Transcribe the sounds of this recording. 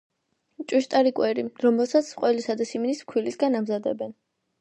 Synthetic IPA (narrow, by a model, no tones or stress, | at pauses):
t͡ʃʼwiʃt̪ʼaɾikʼwɛɾiɾɔmɛlˠsat̪sʰqʼwɛlisad̪asimnismkʰwilisɡanamzad̪ɛbɛn